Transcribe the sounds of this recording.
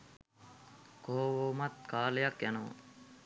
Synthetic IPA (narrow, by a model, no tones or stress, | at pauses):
koːwoːmɐt̪̚kaːljɐkjɐnoː